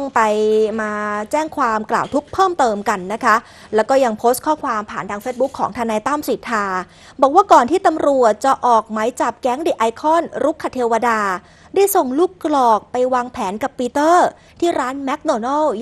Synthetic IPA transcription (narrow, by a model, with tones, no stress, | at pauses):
ŋpa˧jmaː˧t͡ɕɛː˥˩ŋkʰwaː˧mkla̰ː˨˩wt̪ʰu˦˥k̚pʰɤː˥˩mt̪ɤː˧mka˧nːa˦˥kʰa˦˥ | lɛ˦˥wkɔː˥˩ja˧ŋpʰoː˦˥st̚kʰɔː˥˩kʰwaː˧mpʰaː˨˩nt̪ʰaː˧ŋfe˦˥t̪̚bu˦˥kʰːɔː˩˦ŋt̪ʰaː˧naː˧jt̪a˥˩msi˨˩˦t̪ʰːaː˧ | bɔː˨˩k̚waː˥˩kɔː˨˩nt̪ʰiː˥˩t̪a˧mɾu˨˩ət̪̚t͡ɕa˨˩ʔɔː˨˩k̚ma˩˦jt͡ɕa˨˩p̚kɛ˦˥ŋdi˨˩ʔa˧jkʰɔː˥˩nɾu˦˥kʰːa˨˧˩t̪ʰi˧wa˧daː˧ | daː˥˩jso˨˩ŋluː˥˩kːlɔː˨˩k̚pa˧jwaː˧ŋpʰɛː˩˦nka˨˩pːiː˧t̪ɤː˥˩ | t̪ʰiː˥˩ɾaː˦˥nmɛ˦˥k̚noː˧nɔ˥˩w